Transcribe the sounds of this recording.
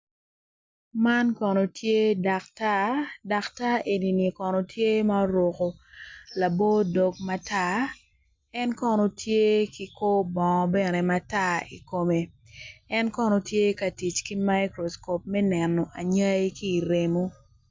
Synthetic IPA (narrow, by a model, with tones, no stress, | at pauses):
ma˦nkɔ˨no˨tʰje˦da˨kta˦da˨kta˦ʔe˨ni˨ni˨kɔ˨no˨tʰje˦ma˦ɾwo˨ko˨la˨bo˦do˨k̚ma˦ta˦ | ɛ˦nkɔ˦nɔ˦tje˦ki˦ko˦bɔ˨ŋɔ˨bɛ˦˨ne˨mata˦ḭ˨ko˨me˨ | ɛ˦nkɔ˦nɔ˨tje˦ka˨ti˨t͡ʃki˦ma˦jkɾɔ˨sko˨p̚mɛ˦nɛ˨nːɔ˨ʔa˨ɲa˦jki˦˨ɾe˨mo˦